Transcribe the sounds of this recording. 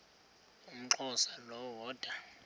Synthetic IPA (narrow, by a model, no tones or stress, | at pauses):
um̩ǁʰɔsalɔwɔːd̥ʱa